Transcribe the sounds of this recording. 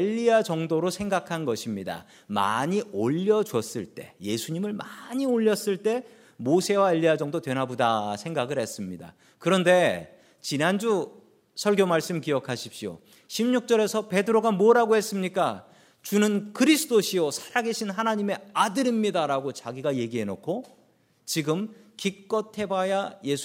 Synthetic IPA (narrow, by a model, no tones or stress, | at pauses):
eʎːiat͡ɕʌŋdoɾosʰe̞ŋɡakʰanɡʌɕʰimɲida̰ | ma̰ɲioʎːʌd͡ʑwʌs͈ɯɭt͈e̞je̞sʰuɲimɯɭmaɲioʎːʌs͈ɯɭt͈e̞ | mosʰe̞wae̞ʎːiad͡ʑʌŋdotwe̞nɦabodasʰe̞ŋɡaɡɯɭhe̞s͈ɯmɲida̰ | kɯɾʌnde̞ | t͡ɕinand͡ʑu | sʰʌɭɡjomaɭs͈ɯmkijʌkʰaɕʰipɕ͈io̰ | ɕʰimɲuk̚t͡ɕ͈ʌɾe̞sʰʌpe̞dɯɾoɡamʌɾaɡohe̞s͈ɯmɲik͈a | t͡ɕunɯnkɯɾisʰɯ̥toɕʰiosʰḁɾaɡe̞ɕʰinɦanaɲime̞adɯɾimɲidaɾaɡot͡ɕaɡiɡaje̞ɡiɦenokʰo | t͡ɕiɡɯmkik̚k͈ʌtʰe̞bajaje̞s